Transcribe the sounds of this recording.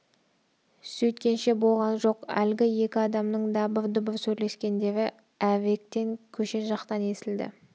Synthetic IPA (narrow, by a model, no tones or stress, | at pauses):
sɵjt̪̚kʲe̞nʃe̞bo̞lˠʁɑnʒo̞qæ̰lɡʲɪje̞kʲɪɑd̪ɑmnəɴd̪ɑbəɾd̪ʊbəɾsɵjle̞skʲe̞nd̪e̞vɪ | æve̞k̚t̪e̞ŋkʲʰɵʃe̞ʒɑqt̪ɑne̞sɪld̪ɪ̰